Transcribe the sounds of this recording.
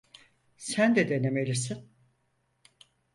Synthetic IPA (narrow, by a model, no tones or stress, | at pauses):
sænd̪ɛd̪e̞nemelʲisin